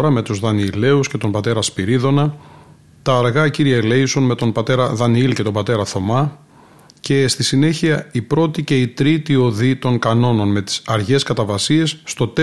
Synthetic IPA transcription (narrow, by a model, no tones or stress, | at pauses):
ɾɐme̞t̪uzðɐnile̞usce̞t̪o̞mbɐt̪e̞ɾɐspiɾiðo̞nɐ | t̪ɐːɾɣɐciɾiɐle̞jso̞nme̞t̪o̞nbɐt̪e̞ɾɐðɐniilce̞t̪o̞bɐt̪e̞ɾɐθo̞mɐ | ce̞st̪isine̞çiɐipɾo̞t̪ice̞it̪ɾit̪io̞ðit̪o̞ŋkɐno̞no̞nme̞t̪i̥sɐɾʝe̞skɐt̪ɐvɐsie̞sːt̪o̞t̪e